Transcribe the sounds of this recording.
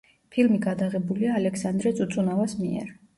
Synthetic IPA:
pʰilmiɡad̪aʁɛbuliaːlɛkʰsand̪ɾɛt̪sʼut̪sʼunavasmiɛ̰ɾ

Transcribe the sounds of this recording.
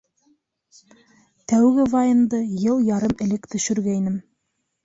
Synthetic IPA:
t̪æwɡɘvajɤnd̪ɤjɤlˠjɑɾɤmɘ̆lɘkt̪ɵ̆ʃɵ̆ɾɡæinɘm

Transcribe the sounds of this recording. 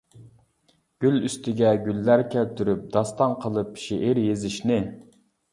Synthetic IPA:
ɡ̥ʲylyst̪ʰɪɡʲɛɡʲylːæɾkʲʰɛlt̪ʰyɾyp̚d̪ɑst̪ɑnqʰəlˠɨpʃeʔɪɾjezɪʃnɪ

